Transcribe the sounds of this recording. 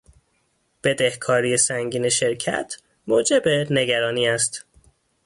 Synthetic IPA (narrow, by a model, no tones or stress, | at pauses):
b̥e̞d̪e̞hkʰɒːɾiːjesæŋɟiːneʃe̞ɾcʰæ̰t̪ʰ | moːd͡ʒe̞bene̞ɡæɾɒːniːæst̪